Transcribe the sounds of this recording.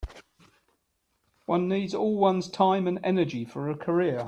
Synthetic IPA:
wʌ̃nːiːdzɔːlˠwʌ̃nz̥tʰãɪ̃mə̃nɛnəd͡ʒifəɹəkʰəɹɪə

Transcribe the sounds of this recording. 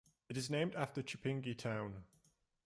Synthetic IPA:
ɪtɪznẽɪ̃mdaftət͡ʃɪpʰɪ̃ŋɡitʰãʊ̃n

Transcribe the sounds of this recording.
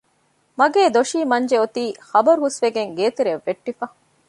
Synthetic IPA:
mɐɡeːd̪oʃiːmɐɲd͡ʒeot̪iːxɐbɐɾuɦusʋeɡeŋɡeːt̪eɾeʋːeʈːifɐ

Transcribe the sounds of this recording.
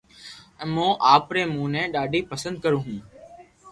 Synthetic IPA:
ɛ̃ːmõːʔaːpɾeːmũːnɛ̃ːɗaːɖʱiːpəsənd̪̚kəɾõːɦũː

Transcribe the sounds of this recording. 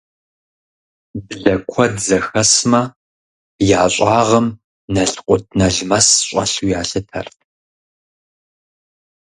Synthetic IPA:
bɨɮɐkʷʰɔdzɐxɐsmɐ | jaːɕʷʼɑːʁɐm | nɐɬqʷʼʊt̚ʰnɐɮmɐsɕʼɐ̰ɬujaːɬɨtʰɐ̰rtʰ

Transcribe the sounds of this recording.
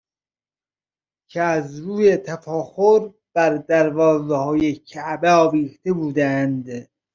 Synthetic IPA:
kʰeæzɾuːjet̪ʰæfɒːxoɾ | b̥æɾd̪æɾvɒːzehɒːjecʰæʔbeɒːviːxt̪ebuːd̪ænd̪

